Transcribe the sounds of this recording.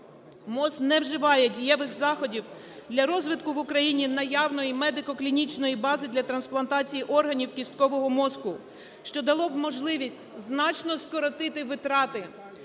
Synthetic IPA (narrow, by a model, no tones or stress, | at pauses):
mɔsknɛwʒɪʋɑjɛdʲijɛʋɪxzɑxɔdʲiw | d̪lʲɐɾɔzʋɪt̪kʊʋʊkɾɐjinʲinɐjɑwnɔjimɛd̪ɪkɔklʲinʲit͡ʃnɔjibɑzɪd̪lʲɐt̪ɾɐnsplˠɐnt̪ɑt͡sʲijiʔɔrɦɐnʲiwkʲist̪̚kɔʋɔɦɔmɔskʊ | ʃt͡ʃɔd̪ɐlˠɔbmɔʒlˠɪʋʲisʲtʲznɑt͡ʃnɔskɔɾɔt̪ɪt̪ɪʋɪt̪ɾɑt̪ɪ